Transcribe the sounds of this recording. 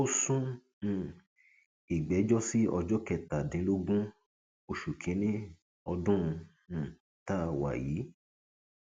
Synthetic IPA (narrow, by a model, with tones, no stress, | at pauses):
o˦sũ˦˨ | i˨ɡ͡bɛ˨˦d͡ʒɔ˦si˦ɔ˧d͡ʒɔ˦kɛ˧˨ta˨dĩ˨˦lo˦ɡũ˦ | o˧ʃu˨kʰĩ˨˦nĩ˦ | ɔ˧dũ˦˧˨ | ta˦˨wa̰˨jiː˨˦